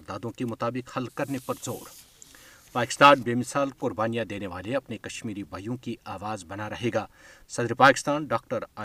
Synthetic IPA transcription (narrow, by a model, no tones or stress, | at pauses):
ɾd̪aːd̪õkemʊt̪aːbɪkhɐlkɐɾnepɐɾzoːɾ | paːkɪ̥st̪aːnbeːmɪsaːlkʊɾbaːnijãd̪eːneʋaːleɐpnekɐʃmiːɾibʱɐjõkiaːʋaːzbɐnaɾɐɦeːɡaːsɐd̪ɾepaːkɪst̪aːnɖaːk̚ʈəɾaː